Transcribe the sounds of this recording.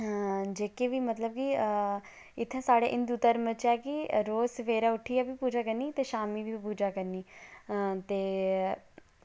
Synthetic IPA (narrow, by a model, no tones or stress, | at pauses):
d͡ʒeːkeːʋiːmət̪ləb̚ki | ɪt̪ʰːãːsaːɽḛːʔɪnd̪ut̪əɾmət͡ʃɛːkiɾoːsəʋeːɾaːʊʈʰːiːɛːbiːpuːd͡ʒaːkəɾniːt̪eːʃaːmiːʋiːpuːd͡ʒaːkəɾniː | t̪eː